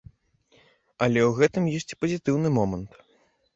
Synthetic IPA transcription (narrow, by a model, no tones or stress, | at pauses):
ɐlʲɛwɣɛt̪ɨmjɔsʲt͡sʲpɐzʲit̪ɨwnɨmɔmɐnt̪